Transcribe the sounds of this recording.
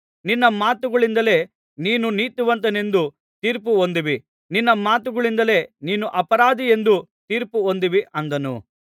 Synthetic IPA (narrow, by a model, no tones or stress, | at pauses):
ninːɐmaːt̪uɡɐɭind̪ɐle̞ː | niːnuniːt̪uʋɐnt̪ɐne̞nd̪u | t̪iːɾpuond̪iʋi | ninːɐmaːt̪uɡɐɭind̪ɐle̞ːniːnuʔɐpɐɾaːd̪ije̞nd̪ut̪iːɾpuond̪iʋiʔɐnd̪ɐnṵ